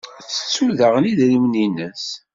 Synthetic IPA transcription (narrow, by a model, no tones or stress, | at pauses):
t͡sːə̥t͡sːuðəʁəniðɾimninəs